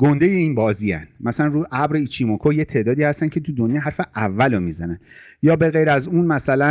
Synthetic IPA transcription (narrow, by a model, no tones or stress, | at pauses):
ɡ̥o̞nd̪ejeiːnbɒːziːæ̰nd̥mæsælænɾuːʔæbɾeit͡ʃʰimokʰojet̪ʰeʔd̪ɒːd̪iːhæst̪æncʰe̞t̪ʰud̪onjɑɦæɾfeʔævːælomiːzænænjɒːbe̞ɣejɾæzunmæsælæ